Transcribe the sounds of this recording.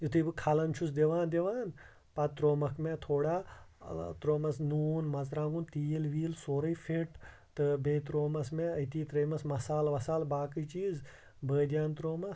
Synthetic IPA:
jut̪ʰɨːbɨkʰalɐnt͡ʃʰus̬d̪eʋaːnd̪eʋaːn | pɐt̪ɾoːmɐkʰmẽt̪ʰoːɽaː | t̪ɾoːmɐsnuːnmɐzɾãːŋɡunt̪iːlʋiːlsoːɾɐifʰeʈ | t̪ɨbẽːt̪ɾoːmɐsmẽɐjt̪iːt̪ɾɐːmɐsmɐsaːlʋɐsaːlbaːkɨt͡ʃiːz | bəːd̪ʲjaːnt̪ɾoːmɐs

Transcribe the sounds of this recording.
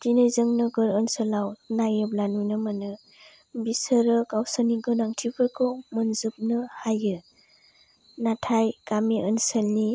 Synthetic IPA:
tinejzɯŋnəɡɯɾənsəlawnajɯblanujnɯmanɯ | bisəɾɯkawsəniɡɯnaŋtʰibʰɯɾkʰɯwmɯnzɯp̚nɯhajɯ | natʰajkamiənsəlni

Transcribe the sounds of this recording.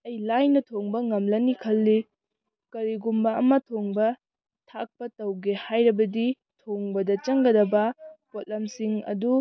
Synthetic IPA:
ɐjlajnɐtʰoŋbɐŋɐmlɐnikʰɐlːi | kɐɾiɡumbɐɐmɐtʰoŋbɐ | tʰak̚pɐtɐwɡehajɾɐbɐdi | tʰoŋbɐdɐt͡ʃɐŋɡɐdɐbɐpot̚lɐmsiŋɐ̰du

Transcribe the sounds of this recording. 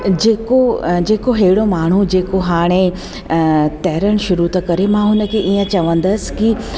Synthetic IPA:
d͡ʑeːkod͡ʑeːkoɦeːɪɽomaːɳ̤ud͡ʑeːkoɦaːɽ̃e | t̪ɛːɾəɽ̃ʃʊɾut̪ɐkɐɾemãɦʊnə̆kʰeʔiːə̃t͡ɕɐʋə̃nd̪əsɪ̥̆ki

